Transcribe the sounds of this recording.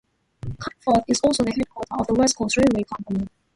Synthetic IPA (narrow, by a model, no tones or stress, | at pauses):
kʰãfɔθɪzɔlˠsoʊðəhɛd̚kʰw̥ɔtə˞ɔvðəwɛskʰosɹiweɪkʰɑ̃mpəni